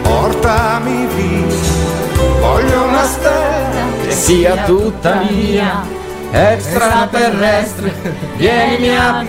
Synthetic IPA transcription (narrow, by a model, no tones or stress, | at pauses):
pɔɾt̪amivi | ɔʎonast̪ɛ | siat̪ut̪amia | ɛkstt̪ɾat̪ɛrɛst̪ɾe | vjɛnimia